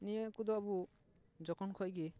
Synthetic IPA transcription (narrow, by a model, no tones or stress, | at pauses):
nijaʔkud̪ɔbu | d͡ʒɔkɔnkʰɔʔɡɛ